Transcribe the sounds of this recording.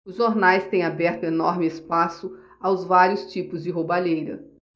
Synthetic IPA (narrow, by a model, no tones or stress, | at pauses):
ʊzʒoɾnajst̪ẽj̃abɛɾt̪ʊenɔɾmɪɪspasʊ | awzvaɾiʊst͡ʃipʊzd͡ʒɪɦobaʎejɾɐ̰